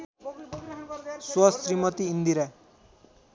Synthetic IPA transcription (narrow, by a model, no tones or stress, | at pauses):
swʌsɾimʌt̪iːnd̪iɾa